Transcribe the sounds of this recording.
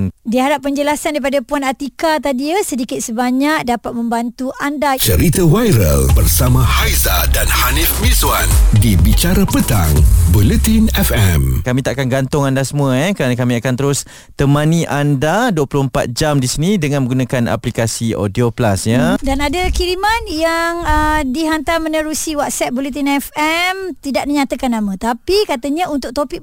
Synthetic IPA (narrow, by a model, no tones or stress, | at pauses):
diəɦaɾap̚ːəɲd͡ʒəlasandaɾipadapuanat̪ikat̪adiəsədikɪt̪̚səbaɲak̚dapat̪̚mə̃mbant̪uʔandat͡ʃəɾit̪awajɾə̰lbərsamãhajzadanhanifmizwandibit͡ʃaɾapət̪a̰ŋbulət̪inɛfɛmkamĩt̪aʔakanɡant̪ʊŋandasəmũaɛkəɾanakamĩakant̪əɾʊs | t̪əmaniʔandaduwəpulʊhəmpa̰t̪̚d͡ʒamdisinidəŋanmə̃ɡunakana̰plikasio̰dioplasɲaədanadəkiɾimanjaŋədiɦant̪amənəɾusiwat̪̚sɛt̚bolet̪̬inɛfɛmt̪idaʔ̚diɲat̪akanːamãt̪apikat̪əɲãunt̪ʊk̚t̪opik̚